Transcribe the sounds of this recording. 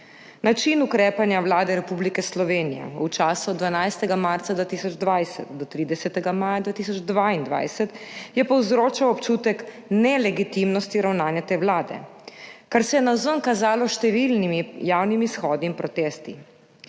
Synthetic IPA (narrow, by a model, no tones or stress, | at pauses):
nat͡ʃinukɾeːpanjawlaːd̪ɛɾɛpublikɛslɔʋeːnijɛ̰ut͡ʃaːsɔd̪d̪ʋanajst̪ɛɡamaɾt̪sad̪ʋaːt̪isɔd͡ʒd̪ʋajsɛ̰t̪d̪ɔt̪ɾiːd̪ɛsɛt̪ɛɡamaːjad̪ʋaːt̪isɔd͡ʒd̪ʋaind̪ʋa̰jsɛt̪jɛpɔwzɾoːt͡ʃawɔpt͡ʃuːt̪ɛk | nɛlɛɡit̪imnɔst̪iɾawnaːnjat̪eːwlaːd̪ɛ̰kaɾsɛjɛnazəŋkazaːlɔʃt̪ɛʋilnimijawnimiːsxɔːd̪niːmpɾɔt̪eːst̪i